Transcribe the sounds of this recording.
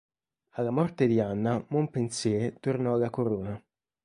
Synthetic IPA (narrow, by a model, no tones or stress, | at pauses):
alːamɔrt̪ed̪ianːamompensjɛt̪ornɔalːakoɾoːna